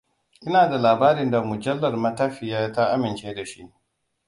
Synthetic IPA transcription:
ʔɪ˦naː˨da˨laː˨baː˦ɾɪ˦nda˨mʊ˨d͡ʒɐ˦lːɐ˨rmɐ˦ta˦ɸɪ˨jaː˦ta˦ʔa˦mɪ˨nt͡ʃeː˦da˨ʃi˦ʔ

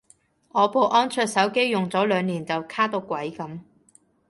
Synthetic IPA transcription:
ŋɔː˨˧po˨˧wʔɔː˥nt͡ʃʰœː˧t̚sɐ˨˥wke˥jːʊ˨ŋt͡sɔː˨˥lœː˨˧ŋniː˨˩nt͡sɐ˨wkʰaː˥t̪o˧wkʷɐ˨˥jkɐ˨˥m

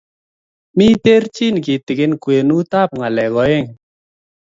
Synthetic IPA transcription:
mi˦te˦rt͡ʃi˦˨n˨kɪ˨tɪ˨ɡɪ˦nkwe˨nu˦ta˦˨p̚ŋa˨lɛ˨ɣɔ˨˦e˦˨ŋ

